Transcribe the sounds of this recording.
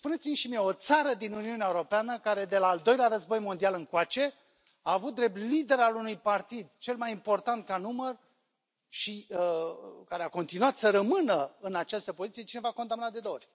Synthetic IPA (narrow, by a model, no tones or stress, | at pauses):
spune̞t̪simʃimijeot̪saɾəd̪inuniuneaeuɾopeanəkaɾe̞d̪e̞laːld̪o̞jleaɾəzbo̞jmo̞nd̪ialɨŋkwat͡ʃe̞ | aːvut̪̚d̪ɾe̞p̚t̪lid̪e̞ɾalunujpart̪id̪t͡ʃe̞lmajimpo̞rt̪ant̪̚kanumər | ʃiəkaɾeako̞nt̪inuat̪səɾəmɨnəɨnat͡ʃast̪əpozit̪sije̞t͡ʃine̞vako̞nd̪amnat̪d̪e̞d̪oorʲ